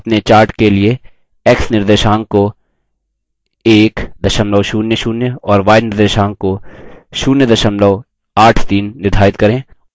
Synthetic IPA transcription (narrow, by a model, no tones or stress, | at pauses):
pnet͡ʃaːɾʈkelie | ɛːksnɪɾd̪eːʃaːŋɡko | eːkd̪ʱɐʃəmləʋʃuːnjəʃuːnjəɔːɾʋaːɪnɪɾd̪eːʃãːŋɡkoʃuːnjəd̪ʱɐʃəmləʋ | aːʈʰt̪iːnːɪɾd̪ʱaːɪt̪kɐɾẽː